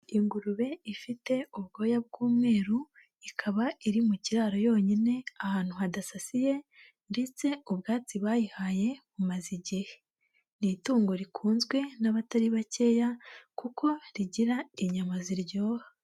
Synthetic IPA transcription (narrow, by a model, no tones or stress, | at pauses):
iŋɡuɾuβe̞ifite̞uβ̚ɡo̞ːjab̚ɡuːmŋe̞ːɾu | ikʰaβaiɾimuciɾaːɾo̞jo̞ːɲine̞ahaːn̥huɦadasasije̞ | nde̞t͡se̞uβɡaːt͡siβaːjihaje̞βumaziɟihe | nituːŋɡo̞ɾikʰuːnzɡwe̞naβataɾiβace̞ːjakukʰo̞ɾiɟiɾaiɲamaziɾɟo̞ːha